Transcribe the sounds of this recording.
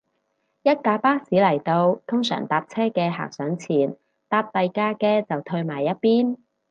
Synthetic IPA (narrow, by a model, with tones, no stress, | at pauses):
jɐ˥t̚kaː˧paː˥siː˨˥lɐ˨˩jt̪o˧wt̪ʰʊ˥ŋsœ̰ː˨˩ŋt̪aː˧p̚t͡sʰɛː˥kɛː˧ɦa̰ː˨k̚sœː˨˥ŋt͡sʰiː˨˩n | t̪aː˧p̚t̪ɐ˨jkaː˧kɛː˧t͡sɐ˨wt̪ʰɵ˧ɥmaː˨˩jːɐ˥t̚piː˥n